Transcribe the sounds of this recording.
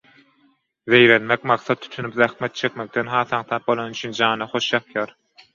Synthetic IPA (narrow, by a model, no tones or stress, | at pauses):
ðe̞jɾenmekmɑqθɑt̪ʰːy̥t̪ʰynypðæxmet̪̚t͡ʃʰe̞kme̞k̚t̪enɦɑːθɑŋt̪ʰɑp̚bo̞lˠonyt͡ʃʰynd͡ʒɑːnɑχo̞ʃjɑpjɑːɾ